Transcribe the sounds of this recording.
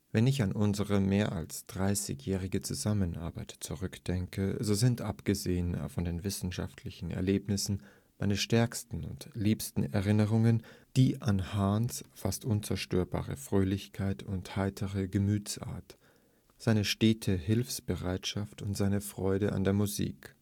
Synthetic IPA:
vɛnɪçanʔʊnzəʁəmeːɐʔa̰lsd̥ʁaɪsɪ̰çjɛːʁɪɡət͡suzamənʔa̰ɐbaɪtt͡suʁʏkd̥ɛŋkəzoːzɪntʔapɡ̥əzeːənfɔndeːnvɪsn̩ʃa̰ftʰlɪçn̩ɛ̰ɐleːpnɪsn̩ | maɪnəʃtɛɐkstn̩ʊ̰ntliːpstn̩ɛɐʁɪnəʁ̞ʊŋənd̥iːʔanhaːnsfa̰stʔʊnt͡sɛɐʃtøːɐba̰ːʁə̰fʁ̥øːlɪçkʰaɪtʰʊnthaɪtʰəʁəɡəmyːt͡sʔa̰ːɐt | z̥aɪnəʃteːtʰəhɪlfsb̥əʁaɪtʃaftʊntz̥aɪnəfʁ̥ɔʏɾəʔa̰ndeːɐmuzḭːk

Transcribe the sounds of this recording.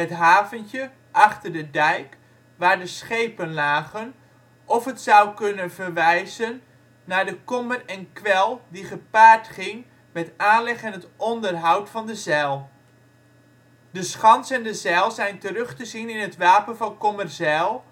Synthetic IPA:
ətɦaːvəntjə | ʔɑχtərdədɛjk | ʋaːɹdəsχejpənlaːχən | ʔɔfɦətsʌwkɵnənvəɹʋɛjzənː | aːɹdəkɔmərɛnkʋɛlˠdiχəpaːɹtχɪŋ | mɛtaːnlɛχɛnɦətʔɔndərɦʌwtfɑndəzɛlˠ | dəsχɑnsɛndəzɛlˠzɛjntərɵχtəzinɪnɦətʋaːpənvɑnkɔmərzɛlˠ

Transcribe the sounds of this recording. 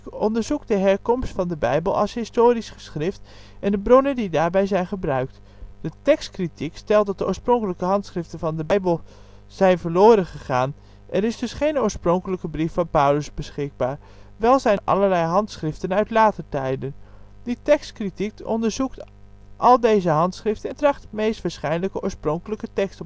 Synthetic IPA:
ɔndəɹzuk̚dəɦɛɹkɔmstfɑndəbɛjbəlˠɑ̰lˠsɦɪstoːɾisχə̥sχrɪft | ɛndəbrɔnəndidaːɹbɛjzɛjnχəbrœɥk̚t | d̥ətɛkstkritikstɛlˠtdɑt̚dəo̰ːɹsprɔŋkələkəɦɑntsχrɪftənvɑndəbɛjbəlˠ | z̥ɛjnvəɹloːɾənχəχaːn | ʔɛɾɪzdɵsχejnoːɹsproŋkələkəbrifːɑnpœwləzbəsχɪɡ̚baːɹ | ʋɛlˠzɛjʔɑ̰ləɹlɛjɦɑntsχrɪftənœɥtlaːtəɹtɛjdən | d̥itɛkstkritikɔ̰ndəɹzukt | ʔɑlˠdejzəɦɑntsχrɪftəntrɑχtmejstʋaːɹsχɛjnləkəʔo̰ːɹsproŋkələkətɛkst

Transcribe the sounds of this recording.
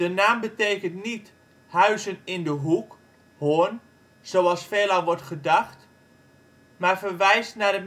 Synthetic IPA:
d̥ənaːmbəteːkəntnit | hœɥzənɪndəɦuk | hoən | z̥owɑlˠsfeːlˠalʋɔrtχədaxt | marfərʋɛjstnadə

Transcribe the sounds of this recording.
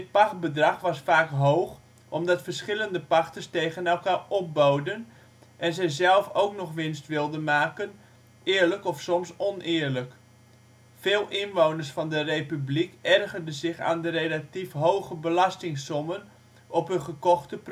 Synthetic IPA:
t̚pɑχbədrɑχʋɑsfaːkɦowχ | ʔɔmdɑtfərsχɪləndəpɑxtərsteːɣənɛlˠkaːrɔp̚bowdən | ʔɛnzɛjzɛlˠfowknɔχʋɪnstʋɪlˠdənmaːkən | ɪːɹləkɔfsɔmsɔnɪːɹlək | fɪːlˠɪnʋownərsfɑndərejpyblikɛrɣərdəzɪχa̰ːndəɾelatifɦowχəbəlɑstɪŋsɔmən | ʔɔpɦəχəkɔxtəp

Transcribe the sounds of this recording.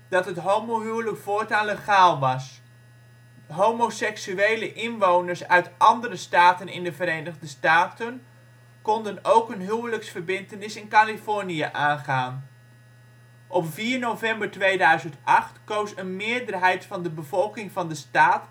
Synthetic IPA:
d̥ɑtɦətɦowmoɦywləkfoːɹtanleχaːlˠʋɑs | ɦomosɛksyejləʔɪnʋownəɹsœɥtʔɑndərəstaːtənɪ̰ndəvəɾejnəʁdəstaːtən | kɔndənowkənɦywləksfəɹbɪntənɪsɪnkalifɔɹnijəʔaːnχaːn | ʔɔpviːɹnowvɛmbəɹtʋejdœɥzəntɑχtkowsənmɪːɹdərɦɛjtfɑndəbəvɔlˠkɪŋvɑndəstaːt

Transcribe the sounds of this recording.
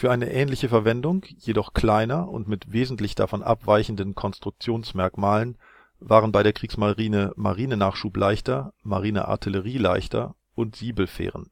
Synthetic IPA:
fyːɐʔaɪnəʔɛːnlɪçəfɛɐvɛndʊŋjedɔχkl̥aɪnɐʊ̰ntmɪtv̥eːzn̩tlɪçd̥a̰fɔnʔa̰pv̥aɪçn̩dən̩kʰɔnstʁ̥ʊk̚t͡sjoːnsmɛɐkmaːlən | vaːʁənbaɪɾeːɐkʁ̥iːksmaləʁiːnəma̰ʁiːnənaːχʃuːplʔaɪçtɐma̰ʁiːnə̰ʔa̰ɐtʰɪləʁ̞iːlaɪçtʰɐ̰ | ʔʊntz̥iːbl̩fḛːʁən

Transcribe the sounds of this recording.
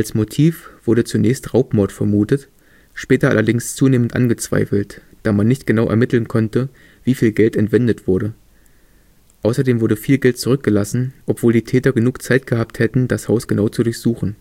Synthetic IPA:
ʔalsmotʰiːfv̥ʊɐɾət͡sunɛːçstʁaʊpmɔɐtfɛɐmuːtət | ʃpɛːtɐʔa̰lɐdɪŋst͡suːneːməntʔa̰nɡət͡sv̥a̰ɪfl̩t | d̥aːmanːɪçtɡ̥ənaʊʔɛ̰ɐmɪtl̩nkʰɔntə | viːfiːlɡɛltɛntv̥ɛndətv̥ʊɐɾə | ʔaʊsɐdeːmvʊɐdəfiːlɡɛlt̚t͡suʁʏk̚ɡ̥əlasn̩ʔɔpv̥oːldiːtʰɛːtɐɡənuːkt͡saɪt̚ɡ̥əhaːp̚thɛtn̩d̥ashaʊsɡ̥ənaʊt͡sudʊɐçz̥uːχn̩

